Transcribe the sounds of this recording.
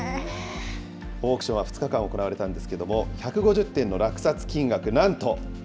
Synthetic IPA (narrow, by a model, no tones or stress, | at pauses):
o̞ːkɯ̟ɕõaɸɯ̥t͡sɨ̥kakãɰ̃o̞ko̞naβaɾe̞t̪ãnd̪e̞sɨ̥ke̞d̪o̞mo̞çakɯ̟ɡo̞ʑɨt̪ːẽ̞nːo̞ɾakɯ̟̥sat͡sɨ̥kʲĩŋɡakɯ̟nãnt̪o̞